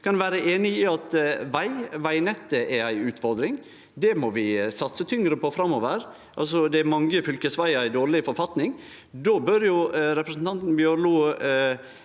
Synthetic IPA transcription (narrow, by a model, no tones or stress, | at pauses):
kʰɑnʋæːɾəʔeːnɪɪɑt̪ʋæɪʋæɪnɛt̪ːəʔɛæɪʉːt̪fɔɾd̪ɾɪŋ | d̪ɛmɔʋɪsɑt̪sət̪ʰʏŋɾəpɔfɾɑmɔʋəɾ | ʔɑ̰ls̬ɔd̪ɛmɑŋəfʏlkəsʋæɪæɪd̪oːɾɭɪfɔɾfɑt̪nɪŋ | d̪oːbœɾjʊɾɛpɾɛsn̩t̪ɑnt̪n̩bjøːluː